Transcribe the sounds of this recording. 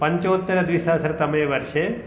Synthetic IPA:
pəɲt͡ʃot̪ːəɾd̪ʋisasəɾt̪əmeʋəɾʃe

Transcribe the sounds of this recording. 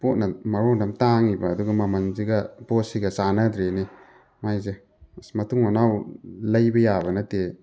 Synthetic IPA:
pot̚nɐmɐɾondɐmtaŋibɐːduɡɐmɐmɐnziɡɐbosiɡɐsanɐdɾeni | majze | smɐtuŋanawlɐjbɐjabɐnɐte

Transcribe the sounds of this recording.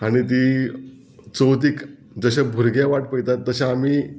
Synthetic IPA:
aɽ̃it̪iː | t͡səwt̪̬iːk | d͡zəɕabʱuɾɡjãʋaʈ̚pəjt̪at̪ːəɕãamiː

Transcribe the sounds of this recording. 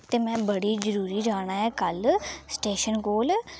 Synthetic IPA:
t̪eːmɛ̃ːbəɽiːd͡ʒəɾuːɾiːd͡ʒaːɳ̃aːɦɛːkəlsʈeːʃənkoːl

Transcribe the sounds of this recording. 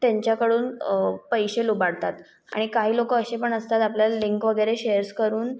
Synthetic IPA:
t̪jaɲt͡ɕjakəɽuːnpəjɕelubaɽt̪at̪ | a̰ɽ̃ikaɦiːlokəːɕepəɳəst̪at̪apljaliŋkʋəɡəjɾeɕeəɾskəɾuːn

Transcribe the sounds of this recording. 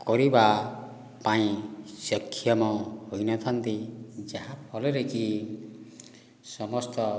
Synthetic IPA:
kɔɾiba | paĩsjɔkʰːjɔmɔhojnɔt̪ʰant̪id͡ʒaɦapʰɔlɔɾeki | sɔmɔst̪ɔ

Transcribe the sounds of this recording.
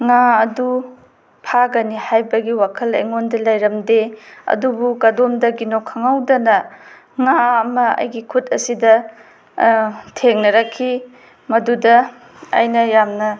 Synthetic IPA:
ŋaɐdu | pʰaɡɐnihajbɐɡiwakʰɐlḛŋondɐlajɾɐmdeɐ̰dubukɐdomdɐɡinokʰːaŋawdɐnɐ | ŋaɐmɐɐ̰jɡikʰut̚ɐsidɐ | tʰeŋnɐɾɐkʰːi | mɐdudɐ̰ː | jnɐjamnɐ

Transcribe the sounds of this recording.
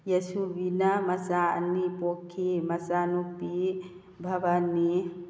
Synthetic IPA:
jɐsuʋinamɐsanipokʰimɐsaːnupi | bʱɐʋani

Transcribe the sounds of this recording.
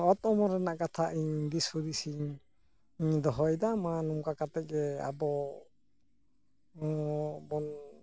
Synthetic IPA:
ɔt̪ɔmɔɾɛnaʔkat̪ʰaʔiɲd̪ishud̪isiɲ | iɲd̪ɔɦɔjd̪amanumkakat̪ɛk̚ɡɛa̰bɔ | bɔn

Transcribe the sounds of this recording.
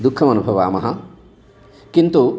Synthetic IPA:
d̪ukʰːɐmɐnubʱɐʋaːmɐɦɐ | kint̪u

